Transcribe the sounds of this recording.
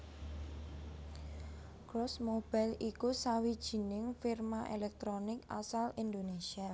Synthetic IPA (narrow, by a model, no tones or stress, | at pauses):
kɾɔsmob̥alikusawid̥ʒ̥i̤nɪŋfirmaʔelɛk̚t̪ɾonɪka̰salind̪onesia